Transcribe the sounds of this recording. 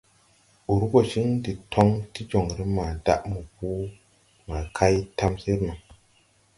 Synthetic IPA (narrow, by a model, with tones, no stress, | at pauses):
u˨ɾu˦ɡo˨ʃi˦ŋdi˨tʰo˦ŋti˦d͡ʒo˨ŋɾi˦ma˨da̰˦ʔmu˨pu˦ | ma˨kʰa˦jta˦msi˦ɾma˨